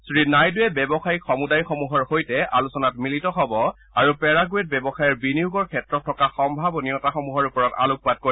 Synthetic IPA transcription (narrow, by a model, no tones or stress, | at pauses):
sɹinajdʊɛbɛbɔxajixɔmudajxɔmuɦɔɹhojtɛʔalusɔnatmilitɔɦɔbɔ | aɹupɛɹaɡuet̚bɛbɔxajɛɹbiniuɡɔɹkʰɛtɹɔtʰːɔkaxɔmbʱabɔnijɔtaxɔmuɦɔɹupɔɹɔta̰luk̚pat̚koi